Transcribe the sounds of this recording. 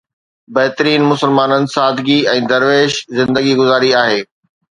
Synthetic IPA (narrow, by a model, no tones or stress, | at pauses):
bɐɦɪt̪əɾiːnmʊsəlmaːnənɪ̆saːd̪ʱɡiɛ̃ːd̪ɐɾʋeːʃzɪ̃nd̪əɡiɡʊzaːɾiaːɦeː